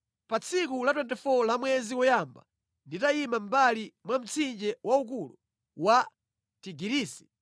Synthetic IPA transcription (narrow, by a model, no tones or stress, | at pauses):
pat͡sʰik̬ulat̬wɛntɛfɔlamwɛzikɔjamba̰ | nditaimam̩balimwam̩t͡sʰind͡ʒɛwauk̬ulṵ | wa | tiɡiɾiːsi̥